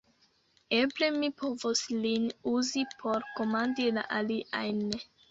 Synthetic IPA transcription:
e̞ble̞mipo̞voslinuzipʰo̞ɾko̞mandila̰ʔaliʔajn

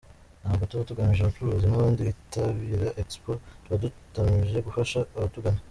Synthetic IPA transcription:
naːmɡotuβatuɡamiʒaat͡ʃuɾozimuoːnditaβiɾaʔekspotuβadutamiʒe̞ɡufaʃauβatuɡana

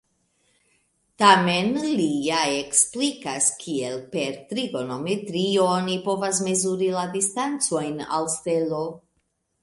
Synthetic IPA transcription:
tame̞nlijaeksplikaskʰie̞lpe̞ɾtɾiɡo̞no̞metɾionipo̞vas̬me̞zuɾiladistant͡so̞jna̰lste̞lo̞

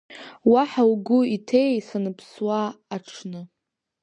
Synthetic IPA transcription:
waħawɡʷʊitʰe̞jsanɨpʰswaːʈ͡ʂʰnɨ

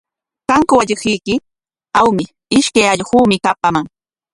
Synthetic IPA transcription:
kaŋkʊwaʎɪχɪjkɪ | awmɪ | ɪʃkajaʎɢuːmɪkapamaŋ

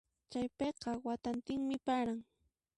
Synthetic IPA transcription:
t͡ʃajpeqɑwat̪ant̪ɪŋmɪpaɾaŋ

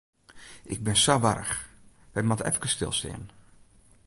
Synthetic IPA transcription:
ʔɪɡ̚bɪnsaʋaɾə̰x | ʋɛjmatəɛ̰fkəstɪ̰lˠstḛːn

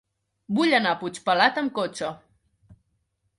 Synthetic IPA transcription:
buʎənaput͡ʃpəlat̪əmkot͡ʃə

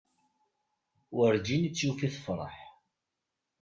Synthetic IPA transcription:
wəɾd͡ʒinət͡sːufiθəfɾˤə̰ħ

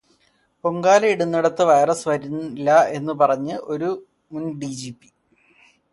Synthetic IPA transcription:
poŋɡaːlɐiɽunːiɽɐt̪ːɨʋɐjɐrɐsɨʋɐɾunlːɐe̞nːɨpɐrɐɲːɨʔo̞ɾu | munɖid͡ʑiːpːi̥

